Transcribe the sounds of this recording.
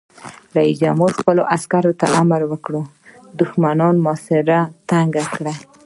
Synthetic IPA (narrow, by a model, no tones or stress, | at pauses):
lajid͡ʒamoxpəloʔaskaɾot̪a̰ʔamaɾwəkɽu | d̪ʊxmanɑnmɑsɪɾat̪aŋɡakɽa